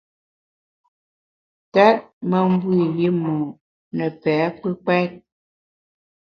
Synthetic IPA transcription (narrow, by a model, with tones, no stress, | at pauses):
ta˦ʔ̚mə˨m˦bwi˦˨ji˦mu˨ | nə˨pɛː˨˦k͡pɨ˦k͡pɛ˦t̚